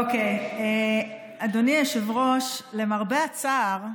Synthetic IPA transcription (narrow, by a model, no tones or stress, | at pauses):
okeje | ad̪onieʃevʁo̞ʃlemaʁbeat͡saːʁ